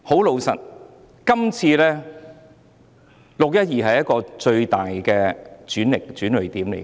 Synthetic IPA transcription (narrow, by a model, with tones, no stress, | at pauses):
ho˨˥wlo˨˧wsɐ˨t̚ | kɐ˥mt͡sʰiː˧lɛː˥ | lʊ˨k̚jɐ˥t̚jiː˨ɦɐ˨jɐ˥t̚kɔː˧t͡ʃɵ˧ɥt̪aː˨jkɛː˧t͡ʃyː˨˥nlɪ˨˩k̚t͡ʃyː˨˥nlɵ˨˩t̪iː˨˥mlḛ˨˩